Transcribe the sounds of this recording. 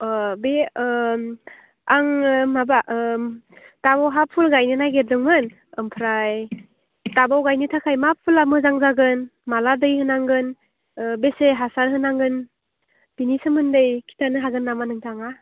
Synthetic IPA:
be | aŋmabaʔ | tabawɦapʰːulɡajnɯnajɡet̚dɯŋmɯn | ɯmpʰɾaj | tabawɡajnɯtʰakʰajmapʰulamɯzaŋzaɡɯnmaladɯjhɯnaŋɡɯn | beseɦasaɾɦɯnaŋɡɯn | pinisɯmɯndɯjkʰi̥tanɯɦaɡɯnːamanɯŋtʰaŋa

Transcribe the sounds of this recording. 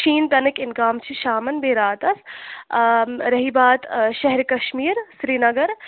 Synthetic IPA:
ʃʰiːnt̪ɐnɨkɪnɡaːmt͡ʃʰiʃaːmɐnbeːɾaːt̪ɐs | ɾɐɦibaːt̪ʃɐɦɾkɐʃmiːɾsɾiːnɐɡɐɾ

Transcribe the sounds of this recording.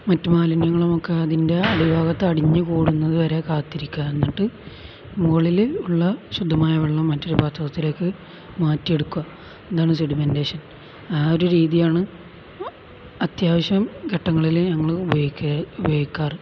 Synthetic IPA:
mɐtːɨmaːlinjɐŋːɐɭomokːeɐðinde̞ɐɽibʱaːɣɐt̪ːeɐɽiɲːɨkuːɽunːɐðɨʋɐɾe̞kaːt̪ːiɾikʲːuɐenːiʈːɨ | muɣɐɭiluɭːɐɕud̪ʱːɐmaːjɐʋeɭːɐmːɐtːoɾebaːt̪ʰɐɣɐt̪ːilo̞ːkːɨ | maːtːje̞ɽukːuwɐ | end̪aːɳɨsiɽimendeːɕɐn | aːoɾuɾiːðijaːɳɨ | ɐt̪jaːʋɐɕjɐmɡʱɐʈːɐŋːɐɭilɲɐŋːɐɭbikːɐubɐjikʲːaːr

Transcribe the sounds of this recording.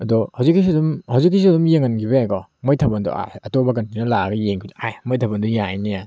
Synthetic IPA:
ɐdɔhawzikːis̬idumhawzikːis̬iɐdumjeŋɐnɡʰibɐjajɡɔmojtʰɐbɐndɔ̰ʔa̰ɐtobɐk̬ɐntininɐlaɡɐjeŋkʰidajmojtʰɐbɐndujajnija

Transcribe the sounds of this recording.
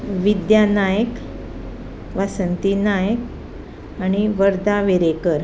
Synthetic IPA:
ʋid̪janajək | ʋasənt̪inajək̚ | aɽ̃iʋəɾd̪aʋeɾekəɾ

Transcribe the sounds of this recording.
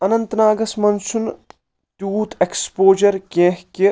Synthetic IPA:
ɐnɐ̃nt̪naːɡɐsmɐnsun | t̪juːt̪ʰekspoːd͡ʒɐɾkẽːɦki

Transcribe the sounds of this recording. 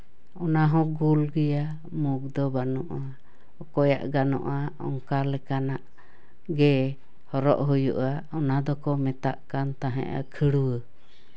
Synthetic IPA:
ɔnaɦɔ̃ɡulɡəja | muk̚d̪ɔbanɔʔa | ɔkɔja̰ʔɡanɔ̰ʔaɔŋkalɛkanaʔ | ɡɛ | hɔɾɔ̰ʔɦujṵʔaɔnad̪ɔkɔmɛt̪aʔkant̪aɦɛ̰ʔa̰kʰəɽuwə

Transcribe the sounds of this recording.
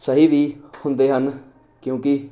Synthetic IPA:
səɦiːʋiːhʊnd̪eːɦən | kjõːkɪ

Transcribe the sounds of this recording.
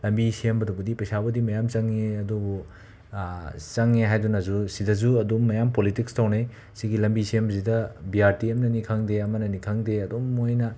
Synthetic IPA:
lɐmbisiembɐdobɐdipɐjsabɐdimɐjamt͡ʃɐŋːeɐdubu | t͡ʃɐŋːeɦajdunɐzusidɐzuɐdumːɐjampolitikstawne | siɡilɐmbisiembɐsidɐbiaɾtiɐmnɐnikʰaŋdeɐmɐnɐnikʰaŋdeɐdomːojnɐ

